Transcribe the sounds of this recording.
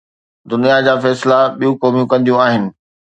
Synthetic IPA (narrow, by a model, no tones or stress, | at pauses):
d̪ʊnijad͡ʑaːfɛːslaɓijũkoːmijũkɐ̃nd̪ijũaːɦɪnɪ̆